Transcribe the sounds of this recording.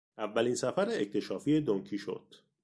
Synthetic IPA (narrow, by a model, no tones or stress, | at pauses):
ʔævːæliːnsæfæɾeect̪ʰe̞ʃɒːfied̪oŋcʰiːʃo̞̰d̪̥